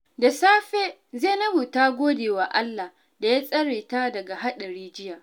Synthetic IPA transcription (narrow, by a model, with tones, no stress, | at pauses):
da˨saː˦ɸeː˦ | zeː˦˨nɐ˦buː˨taː˦ɡʷoː˦deː˨waː˨ʔa˦lːa˨ | da˨jaː˦sʼɐ˦ɽeː˨ta˦dɐ˨ɡa˨ɦa˦ɗɐ˨ɾiː˦d͡ʒɪ˦jaː˨ʔ